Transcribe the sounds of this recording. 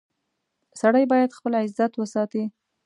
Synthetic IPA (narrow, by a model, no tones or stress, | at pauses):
saɽajbɑjad̪xpəlɪzat̪wəsɑt̪i